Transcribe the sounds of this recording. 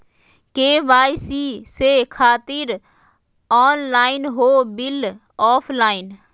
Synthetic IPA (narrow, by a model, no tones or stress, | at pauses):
keːʋaːjsiːsekʰaːt̪ɪɾ | ɔːnlaːɪnɦoːbɪl | ɔːpʰlaːɪn